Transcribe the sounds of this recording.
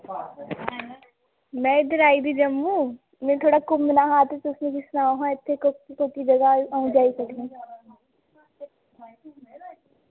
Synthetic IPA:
mɛ̃ːɪd̪əɾaːid̪id͡ʒɐmũː | mɛ̃t̪ʰoːɽakʊmːɪnaːɦaːt̪esoʊsnekisnaːoɦãɪt̪ʰːekːkokid͡ʒɐɡaũd͡ʒaːisɐkẽ

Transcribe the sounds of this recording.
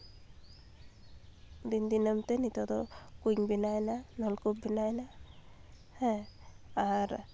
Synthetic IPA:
d̪ind̪inəmt̪ɛnit̪ɔd̪ɔkuŋbinajnanɔlkup̚binajna | hɛ | aɾ

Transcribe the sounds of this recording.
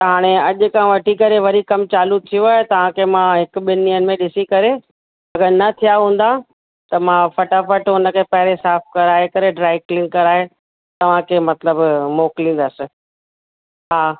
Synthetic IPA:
t̪ɐɦaːɽ̃eɐʄʊ̆kãʋɐʈikɐɾeʋɐɾikɐmt͡ɕaːlut̪ʰijuaːɦet̪ɐʋ̤ãkʰemãɦɪkɓɪnːijənɪ̆mẽɗɪsikɐɾe | ɐɡəɾnɐt̪ʰijaɦũːn̆d̪a | t̪ɐmãfɐʈafɐʈʊnə̆kʰepɐɦɪɾesaːfkɐɾaːɦekɐɾeɖɾaːɪklɪ̃ŋkːɐɾaːɦe | t̪ɐʋ̤ãkʰeːmɐt̪ləbmoːklĩːnd̪əsɪ̆ | ɦaː

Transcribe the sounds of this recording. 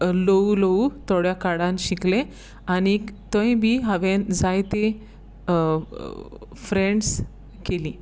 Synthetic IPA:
lolout̪oɽjakaɽãnɕikle | anit̪ə̃jbiːɦəʋend͡zajt̪e | fɾeɳɖs | kelĩː

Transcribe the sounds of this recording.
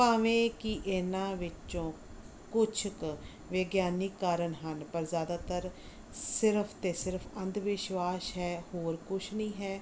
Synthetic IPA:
paːʋẽːkiʔɪnãːʋɪt͡ʃõː | kʊt͡ʃʰk | ʋeːɡjaːnɪkːaːɾənɦənpəɾzjaːd̪aːt̪əɾ | sɪɾəpʰt̪eːsɪɾpʰə̃nd̪ʋɪʃʋaːʃɦɛːhoːɾkʊt͡ʃʰnĩːɦɛː

